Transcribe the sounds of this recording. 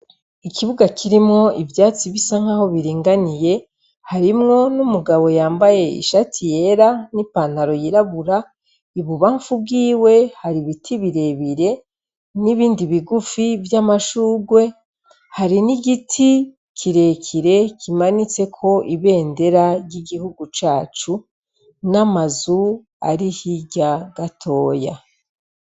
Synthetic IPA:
ikiβuɡakʰiɾimŋo̞ivjaːt͡siβisaŋ̥haho̞βiɾiːŋɡanije̞ | haɾimŋo̞numuɡaβo̞jaːmbaje̞ḭʃatʰije̞ɾanipan̥haɾo̞jiɾaβuɾa | iβuβaːɱfub̚ɡiːwe̞haɾiβitʰiβiɾe̞βiɾe̞ | niβiːndiβiɡufivjamaʃuːɡwe̞ | haɾiniɡitʰi | kʰiɾe̞kʰiɾe̞kʰimanit͡se̞kʰo̞ʔiβe̞ːnde̞ɾaɾjiɡihuɡut͡ʃaːt͡ʃu | namazu | a̰ɾihiɟaɡ̥atʰo̞ːja

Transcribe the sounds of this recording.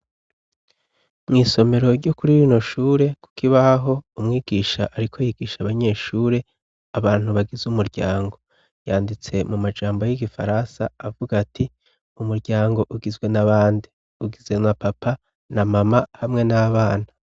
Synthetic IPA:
mŋiːso̞me̞ɾo̞ɾɟokuɾiɾino̞ʃuːɾe̞ku̥kiβaɦo̞umŋiːɡ̥iːʃa̰ʔaɾikʰojiɡiːʃaβaɲe̞ːʃuːɾe̞ | aβaːn̥huβaɡizumuɾɟaːŋɡo̞ | jaːndit͡se̞mumad͡ʒaːmbo̞jiɡifa̰ɾansaːvuɡatʰi | umuɾɟaːŋɡo̞ʔuɡizɡwe̞naβaːndi | uɡize̞mŋapapa | namamahamŋe̞naβaːna

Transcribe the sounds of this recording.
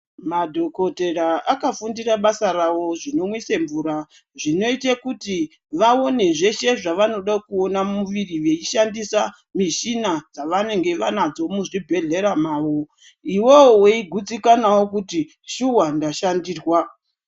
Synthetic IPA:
madʱo̞ko̞te̞raʔakafundiraɓasarawo̞ʐino̞mwiseɱvuːɾa | ʐino̞itekuti | ʋao̞ne̞ʐe̞ʃe̞ʐaʋano̞ɗakuo̞namuʋiriʋeiʃandisa | miʃinad͡zaʋane̞ŋɡe̞ʋanad͡zo̞muʐibʱe̞ɮe̞ɾamaːwo | iwoweiɡʱud͡zikanawo̞kuti | ʃuwandaʃandiːrwa

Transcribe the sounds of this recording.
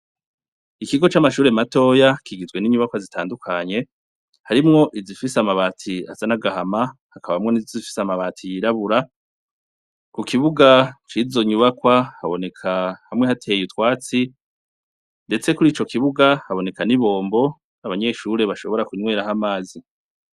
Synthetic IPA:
ikiɡo̞t͡ʃamaʃuːɾemato̞ːjakiɡizwe̞niɲuβakwazitaːndukʰaɲe̞ | haɾimŋo̞ʔizifisamaβaːtʰia̰zanaɡahamahakaβamŋo̞nizozifi̥samaβaːtʰijiɾaβuɾa | kukiβuɡat͡ʃizo̞ɲuβakwahaβo̞ne̞kʰahamŋe̞hatʰe̞jutwaːt͡si | nde̞t͡se̞kuɾiːt͡ʃo̞kiβuɡahaβo̞ne̞kaniβo̞ːmbo̞ | aβaɲe̞ːʃuːɾe̞βaʃo̞βo̞ɾakuɲwe̞ːɾaɦamaːzi

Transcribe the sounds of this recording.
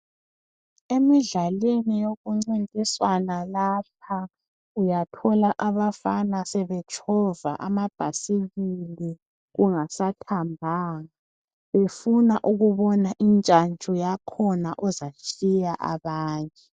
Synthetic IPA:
emiɮalenijoɣuŋ͡ǀintʼiswanalap̚ʰa | ujatʰɔlaʔaβafanasɛβɛt͡ʃʰʼɔva̰ʔa̰mab̥ʱasiɣili | ɣuŋasatʰambʱaːŋa | βefunaʔuɣuβɔnaʔint͡ʃʼant͡ʃʼɔjakʰɔnaʔɔzat͡ʃʼijaʔa̰βaːɲʼɛ

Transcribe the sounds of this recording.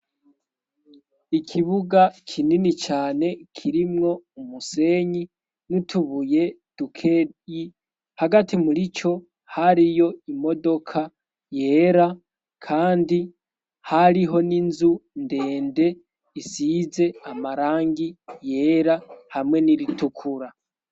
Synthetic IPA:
ikʰiβuɡakʰininit͡ʃaːne̞kʰiɾimŋo̞umuse̞ːɲi | nutʰuβuje̞ | d̥ukʰei | haɡatimuɾit͡ʃo̞ | haɾijo̞imo̞do̞kʰa | je̞ːɾa | kʰaːndi | haɾiɦo̞ninzunde̞ːnde̞ | isiːze̞amaɾaːŋɡije̞ːɾahamwe̞niɾitukʰuɾa

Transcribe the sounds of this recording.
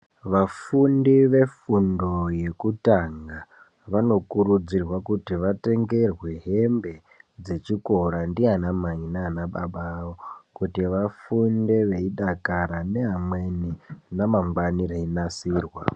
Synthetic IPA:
ʋafundiʋe̞fundo̞je̞kutaŋɡa | ʋano̞kuɾud͡zirwakutiʋate̞ŋɡe̞rwe̞ɦe̞mbe̞ | d͡ze̞t͡ʃiko̞ɾandianamaŋinaːnaɓaɓaːwokutiʋafunde̞ʋe̞iɗakaɾane̞ɦamwe̞ninamaŋɡwanireinasirwa

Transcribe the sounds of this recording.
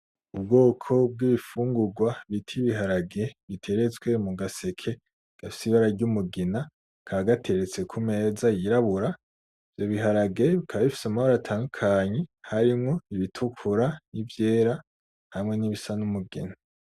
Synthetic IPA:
ub̚ɡo̞ːkʰo̞b̚ɡiβifuːŋɡuɡwaβitʰiβiɦaɾaɡe̞βitʰe̞ɾe̞t͡swe̞muɡasekʰe̞ | ɡ̥afi̥siβaɾaɾɟumuɡena | kʰaaɡatʰe̞ɾet͡se̞kʰume̞ːzajiɾaβuɾa | ivjo̞βiɦaɾaɡe̞βikʰaβaβifi̥samahoɾatʰaːndukʰaɲe̞haɾimŋo̞iβitʰukʰuɾanivje̞ːɾa | hamŋe̞niβisanumuɡḛna

